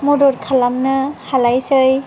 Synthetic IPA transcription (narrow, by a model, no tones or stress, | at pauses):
mɔdɔɾkʰalamnɯhalajsɯj